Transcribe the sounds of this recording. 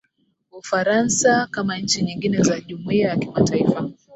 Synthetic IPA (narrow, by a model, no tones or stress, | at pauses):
ufaɾansakamaɲ̩t͡ʃiɲiŋɡinɛzaʄumuiajakimatʰaifa